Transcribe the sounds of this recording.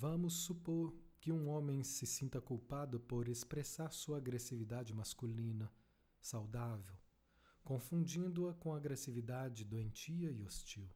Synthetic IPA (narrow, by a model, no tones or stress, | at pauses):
vɐ̃mʊsːupoɾkɪũõmẽj̃sɪsĩnt̪ɐkuwpad̪ʊpoɾespɾesaɾsuɐːɡɾesivid̪ad͡ʒɪmaskulĩnɐ | sawd̪avew | kõfũd͡ʒĩnd̪ʊɐkõɐaɡɾesivid̪ad͡ʒɪd̪oẽnt͡ʃiɐɪost͡ʃiw